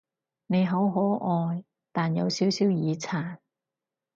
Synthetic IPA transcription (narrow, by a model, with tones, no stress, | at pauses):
ne˨˧jɦɐ˨˥wɦɔː˨˥ʔɔː˧j | t̪aː˨njɐ˨˧wsiː˨˥wsiː˨˥wjiː˨˧t͡sʰaː˨˩n